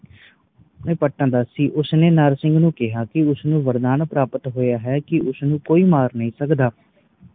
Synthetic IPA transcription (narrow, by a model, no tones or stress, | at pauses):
ẽːpəʈːãːd̪aːsiːʔʊsneːnaːɾsɪ̃ŋɡnũːkɪɦaːkɪʊsnũːʋəɾd̪aːnpɾaːpət̪ɦoːjaːɦɛːkɪʔʊsnũːkoːiːmaːɾnəĩːsəkd̪aː